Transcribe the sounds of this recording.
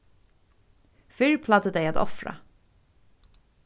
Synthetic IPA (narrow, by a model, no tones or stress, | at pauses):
fʏɾpʰlad̪əd̪ɛjat̪ɔ̰fɾa̰